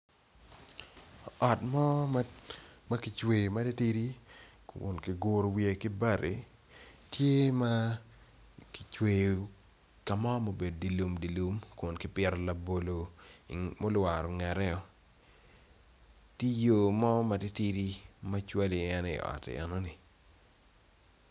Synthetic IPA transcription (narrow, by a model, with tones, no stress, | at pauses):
ɔ˨tmɔ˦ | ma˦kɪ˨t͡ʃwe˨jmɐ˦ti˦ti˦ɾi˦ | ʊ̰˨nkɪ˨ɡʊ˦ɾo˨wie˨kɪ˦ba˦ɾe˨ | tje˦ma˦ | ki˨t͡ʃwe˨jo˨ | ka˨mɔ˦mo˨be˨d̚di˨lu˨mdi˨lu˨mkʊ˨nkɪ˦pɛ˦ɾɔ˦˨lɐ˨bo˨lo˨i˨mo˦lwa˨ɾɔ˨ŋɛ˨ɾɛ˦ɔ˨ | ti˦jo˦mɔ˦mɐ˨ti˦ti˦ɾi˦ma˦t͡ʃwa˦li˨ɛ˦nɪ̰˨ɔ̰˨tɪ̰˨ɛ̰˨nɔ˦ni˨